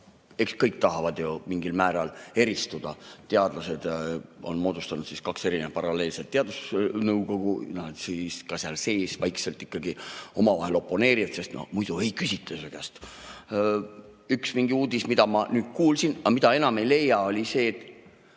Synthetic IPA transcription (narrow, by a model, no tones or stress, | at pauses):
e̞kskɤjk̚t̪ɑɦɑvɑd̪̥jo̞miŋɡilmæːɾɑle̞ɾist̪ud̪̥ɑt̪e̞ɑd̪lɑse̞d̪̥o̞̰nmo̞ːd̪̥ust̪ɑnud̪siskɑkse̞ɾinepɑɾɑle̞ːlse̞lt̪ːeɑd̪̥usnɤwɡo̞ɡ̥unɑd̪̥siskɑsɑlse̞ːsvɑjkse̞lt̪ːˑikːɑɡio̞mɑvɑ̰he̞lo̞pːˑo̞ne̞ːɾiɑdt̪se̞st̪no̰mujd̪̥uejkysit̪ˑːæsøkæst̪ | yksmiŋɡ̥iuːd̪̥ismid̪ɑmɑnyːd̪̥̚kuːlsinɑmid̪̥ɑe̞nɑme̞jle̞jːɑo̞lʲise̞ːt̪ːˑ